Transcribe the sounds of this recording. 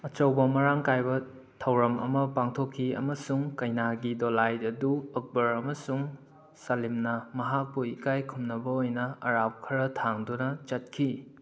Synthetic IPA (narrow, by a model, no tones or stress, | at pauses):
ɐt͡ʃɐwbɐmɐɾaŋkajbɐ | tʰɐwɾɐmɐ̰mɐpaŋtʰokʰːiɐ̰mɐsuŋkɐjnaɡidolajdɐduɐk̚bɐɾɐmɐsuŋ | salimnɐmɐɦak̚buikajkʰumnɐbɐojnɐɐɾap̚kʰɐɾɐtʰaŋdunɐt͡ʃɐt̚kʰi